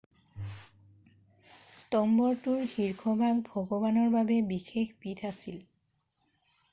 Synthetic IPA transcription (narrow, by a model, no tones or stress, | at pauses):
stɔmbɔɹtʊɹhiɹkʰɔbʱaɡ̚bʱɔɡɔbanɔɹbabɛbixexpitʰasil